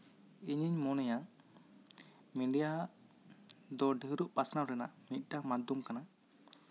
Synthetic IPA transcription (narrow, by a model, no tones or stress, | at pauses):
iɲiɲmɔnɛja | miɳɖija | d̪ɔɖəɦɾuʔpasnawɾɛna̰ʔmit̪̚ˀʈamad̪umkanaʔ